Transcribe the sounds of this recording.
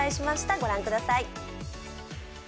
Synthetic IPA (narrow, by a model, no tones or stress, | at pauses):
aiɕimaɕi̥t̪aɡo̞ɾãŋkɯ̟d̪asai